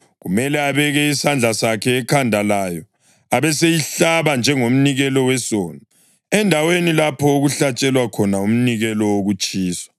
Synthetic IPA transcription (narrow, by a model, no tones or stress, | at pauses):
ɣumɛlɛaβɛɣɛisand͡ɮʱasakʰɛːkʰandʱalajɔ | aβɛsejiɬaβand͡ʒʱɛŋom̩niɣɛlɔwɛsoːnɔ | ɛndʱawenilapʰɔoɣuɬat͡ʃʼɛlwakʰɔnaum̩niɣɛlɔoɣut͡ʃʼiːswḁ